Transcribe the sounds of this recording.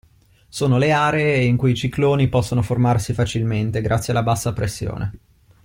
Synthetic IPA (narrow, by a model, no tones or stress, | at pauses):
soːnoleaːɾeeiŋkujit͡ʃikloːnipɔsːonoformarsifat͡ʃilment̪eɡɾa̰t̪sjialːabasːapɾesːjo̰ːnʔḛ